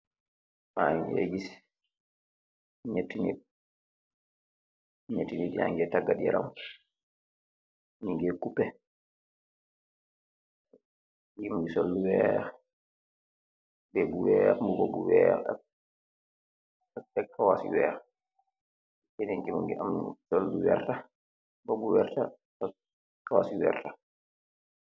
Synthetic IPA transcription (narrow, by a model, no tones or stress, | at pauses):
maɲḛɡis | ɲetːiɲḭ | ɲetːiɲidia̰ŋɡɛtaɡadiɛɾa̰m | ɲiŋɡɛkupɛ | jɡimuŋɡisolːuwɛɾɛ | bɛbuwɛmubobuwɛ̰ | ɛkʰːawasḭwɛ̰ɾ | inɛŋkimuŋɡḭʔa̰msolːuwɛ̰ɾta | bobuwɛɾta | kːawasiwɛ̰ɾta